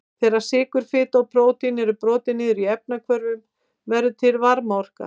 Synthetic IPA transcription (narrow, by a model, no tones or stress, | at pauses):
θɛjɾḁsɪːkʏɾ̥fɪːt̪awpɾoːwt̪ɪnɛɾʏpɾɔːt̪ɪnɪːðʏɾiɛp̚nakʰvœɾvʏm | vɛɾðʏt̪ʰɪlvaɾmaɔr̥ka̰